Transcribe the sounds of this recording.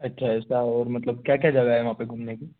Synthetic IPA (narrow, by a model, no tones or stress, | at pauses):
ɐtːʃʰaɛːsaɔːɾmɐt̪ləb̚kjakjad͡ʒaɡaːɛʋɐɦãːpeɡʱuːmneki